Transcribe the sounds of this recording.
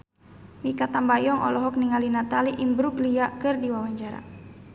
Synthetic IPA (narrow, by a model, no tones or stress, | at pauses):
mikat̪ambajɔŋʔɔ̰lɔɦɔk̚niŋalinat̪aliʔimbɾukliakɨrdiwawaɲt͡ʃaɾa̰